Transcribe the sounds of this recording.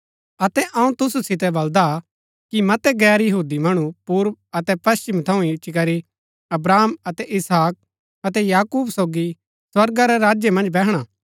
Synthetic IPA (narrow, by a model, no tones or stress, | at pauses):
ɐt̪ɛʔɐũt̪ʊsusɪt̪̬ɛbɐld̪a | kimɐt̪ɛɡɛːɾjɐɦuːd̪imɐɽ̃upuːɾp̚ɐt̪ɛpɐst͡ʃimt̪ʰɐũɪt͡ʃːikɐɾi | ɐbɾaːmɐt̪ɛʔɪsɦaːk̚ | ɐt̪ɛjaːkuːbsoːɡi | swɐɾɡaɾɛɾaːd͡ʒjemɐ̃nd͡ʒbɛɦɽ̃a